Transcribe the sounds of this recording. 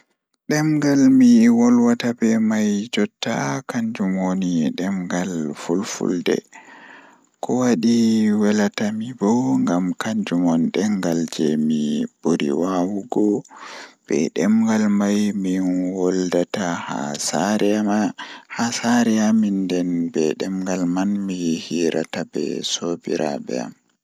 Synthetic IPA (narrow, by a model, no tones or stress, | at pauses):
ɗɛmɡalmiwɔlwatabɛmajd͡ʒɔtːa̰kaɲd͡ʒumwoniɗɛmɡalfulfṵldɛ̰ | kɔwaɗiwɛlatamibɔŋɡamkaɲd͡ʒumɔnɗɛŋɡald͡ʒɛmib̥oɾḭwawuɡɔ | b̥ɛ̰ɗɛmɡalmajminwɔldataha̰saɾɛamahasaɾɛamindɛnbɛɗɛmɡalmanmijhiːɾa̰tabɛ̰sobḭɾʔa̰bɛ̰a̰m